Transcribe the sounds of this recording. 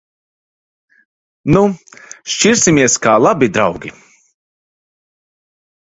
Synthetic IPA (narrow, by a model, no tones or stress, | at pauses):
nuʃt͡ʃiɾsimiɛskaːlˠabid̪ɾawɡʲi